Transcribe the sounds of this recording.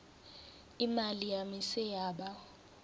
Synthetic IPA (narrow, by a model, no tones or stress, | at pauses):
imalijamisɛjaːɓa